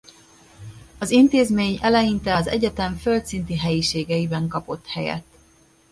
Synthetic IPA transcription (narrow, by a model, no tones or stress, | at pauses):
ɒzint̪eːzmeːɲɛlɛjint̪ɛɒzɛ̰ɟɛt̪ɛɱfølt̪sint̪iɦɛjiʃeːɡɛibɛŋkɒpo̞t̪hɛjɛ̰t̪